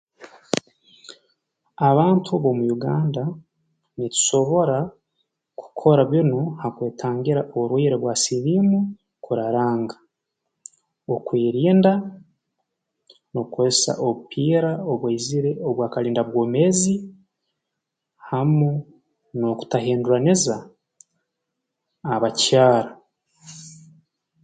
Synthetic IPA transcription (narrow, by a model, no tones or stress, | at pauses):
aβaːntʰuβo̞mujuɡaːnda | nitu̥ʃo̞βo̞ɾa | ku̥kʰo̞ɾaβjonuhakweːtʰaːŋɡiɾaʔoɾwiːɾeβwasiβimu | kuɾaɾaːŋɡa | okwiːɾiːnda | no̞kwesa̰ʔo̞βupʰiːɾaoβwaiziɾe̞oβwaːkaɾiːndaβwo̞ːmeːzi | hamu | no̞ku̥taɦeːnduɾaniza | βacaːɾa